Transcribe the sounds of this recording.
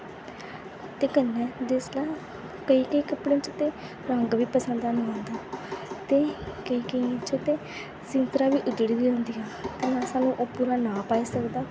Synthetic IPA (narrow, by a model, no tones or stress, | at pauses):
t̪eːkənːɛ̃ːd̪eslaː | kəiːkəiːkəpɽẽːt͡ʃt̪eː | ɾəŋɡʋiːpəsə̃nd̪aːnːãːnd̪aːt̪eːkəiːkəit͡ʃt̪eː | sɪŋtɾaːʋiːʔʊd̪ɽiːd̪iːõːnd̪iːaːt̪eːnãːsãːnũːʔoːpuːɾaːnãːpaːiːsəkd̪aː